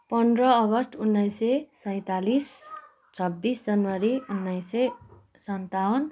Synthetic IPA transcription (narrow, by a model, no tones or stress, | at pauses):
pʌnd̪rʌːɡʌsʈunːʌjsesʌj̃t̪alis | t͡sʰʌbːisd͡zʌnwaɾiunːʌjse | sʌnt̪awn